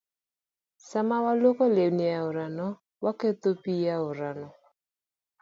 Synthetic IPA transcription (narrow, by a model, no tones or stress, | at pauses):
samawalokolewnɪaʊɾanɔ | waket̪opijaʊɾanɔ